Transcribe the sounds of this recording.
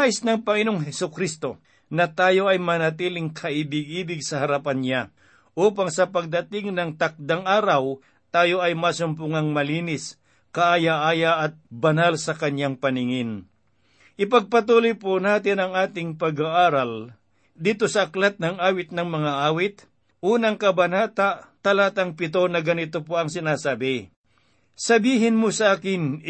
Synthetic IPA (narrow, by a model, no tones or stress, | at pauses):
aʔɪsnɐŋpɐŋɪnoŋɦɛsʊkɾist̪o̞ | nɐt̪aːjo̞ʔɐjmɐnɐt̪iːlɪŋkʰɐʔibɪɡiːbɪɡsɐhɐɾapanɲa | ʔuːpaŋsɐpɐɡ̚d̪ɐt̪ɪŋnɐŋt̪ak̚d̪aŋʔaːɾɐw | t̪aːjo̞ʔɐjmasʊmpuŋɐŋmɐliːnɪs | kɐʔajaʔaːjaʔɐt̪̚bɐnalsɐkɐɲjaŋpɐnɪŋɪn | ʔɪpɐɡ̚pɐt̪uːlojponaːt̪ɪnɐŋaːt̪ɪŋpɐɡaʔaːɾɐl | d̪iːt̪o̞sɐʔɐklat̪̚nɐŋaːwɪt̪̚nɐŋmɐŋaʔaːwɪt̪̚ | ʔuːnɐŋkɐbɐnaːt̪at̪ɐlaːt̪ɐŋpɪt̪o̞nɐɡɐnɪt̪opoɐŋsɪnaːsaːbɪ | sɐbiːɦɪnmosɐʔaːkɪn